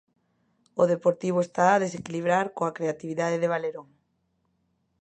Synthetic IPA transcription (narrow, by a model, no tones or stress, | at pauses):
oðepoɾt̪iβ̞oest̪aːðesekiliβ̞ɾaɾkoakɾeat̪iβ̞iðaðeðeβaleɾoŋ